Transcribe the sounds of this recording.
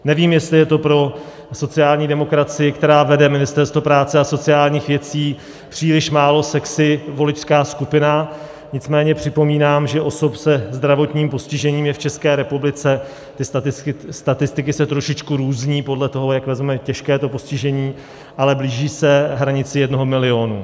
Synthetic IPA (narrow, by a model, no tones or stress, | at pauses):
nɛviːmjɛst̪lɪjɛt̪o̞pɾo̞ | so̞t͡sɪjaːlɲiːdɛmo̞kɾat͡sɪjɪkt̪ɛɾaːvɛdɛmɪnɪst̪ɛɾst̪vopɾaːt͡sɛaso̞t͡sɪaːlɲiːxvjɛt͡siː | pr̥iːlɪʃmaːlo̞sɛksɪvo̞lɪt͡ʃskaːskupɪna | ɲɪt͡smɛːɲɛpr̥ɪpo̞miːnaːmʒɛʔo̞so̞psɛzd̪ɾavo̞t̪ɲiːmpo̞scɪʒɛɲiːmjɛft͡ʃɛskɛːɾɛpublɪt͡sɛ | t̪ɪst̪at̪ɪst̪ɪkɪsɛt̪ɾo̞ʃɪt͡ʃkuɾuːzɲiːpo̞dlɛt̪o̞ɦo̞jakvɛzmmɛcɛʃkɛːt̪o̞po̞scɪʒɛɲiː | ʔalɛbliːʒiːsɛɦɾaɲɪt͡sɪjɛdno̞ɦo̞mɪlɪo̞ːnṵ